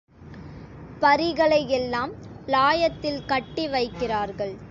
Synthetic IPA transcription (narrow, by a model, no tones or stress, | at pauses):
pɐɾɪɣɐɭɐjɛlːaːmlaːjɐt̪ːɪlkɐʈːɪʋɐɪkːɪraːɾɣɐɭ